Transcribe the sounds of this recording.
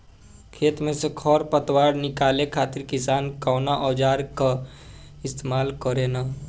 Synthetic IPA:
kʰeːt̪mẽsekʰɔɾpət̪waːɾnɪkaːlekʰaːt̪iɾkɪsaːnkaːnaʔɔːd͡ʒaːɾka | ɪst̪emaːlkəɾena

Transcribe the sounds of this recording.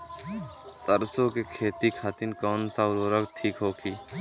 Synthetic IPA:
səɾsoːkekʰeːt̪iːkʰaːt̪inkɔːnsaːʊɾoːɾəkt̪ʰiːkɦoːkʰiː

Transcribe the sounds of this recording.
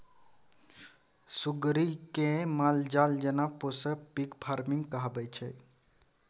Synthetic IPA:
suɡɾikemald͡ʒald͡ʒənaposəpikpʰaɾmiŋɡkəɦbət͡ʃʰɛ

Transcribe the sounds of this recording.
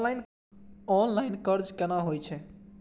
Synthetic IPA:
ajn | ɔnlaɪnkəɾd͡ʒkenaɦojt͡ʃʰɛ

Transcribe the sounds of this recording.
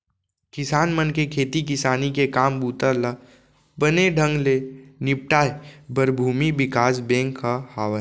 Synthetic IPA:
kɪsaːnmənkekʰeːt̪ikɪsaːnikekaːmbuːt̪əɾla | bəneɖʱə̃ŋɡlenɪp̚ʈaːebəɾbʱuːmibɪkaːs̬bẽːŋkːahaːʋə

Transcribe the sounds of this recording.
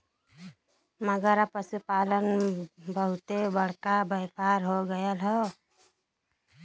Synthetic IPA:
məɡəɾapəsupalənbəɦut̪ebəɽkabəpaɾɦoɡəjəlɦɔ

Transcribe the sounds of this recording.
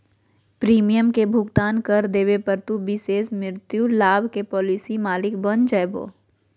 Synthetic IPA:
pɾiːmijəmkebʱʊɡt̪aːnkɐɾd̪eːʋepəɾt̪ubɪseːsmɪɾt̪julaːbʱkepɔːlisimaːlɪkbɐnd͡ʒəjbo̰ː

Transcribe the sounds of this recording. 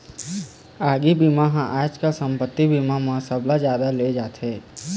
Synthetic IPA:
aːɡibimaɦãʔaːt͡ʃkasə̃mpət̪ːibimamãsəblad͡ʒjaːd̪aled͡ʒaːt̪ɦeː

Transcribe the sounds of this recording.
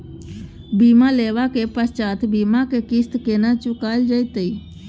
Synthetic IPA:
biːmaleːʋakepəst͡ʃaːt̪bimakekist̪keːnat͡ʃʊkald͡ʒəjt̪əi

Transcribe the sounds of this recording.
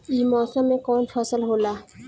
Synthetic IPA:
imɔsɔmekɔnfʰɔsəlɦola

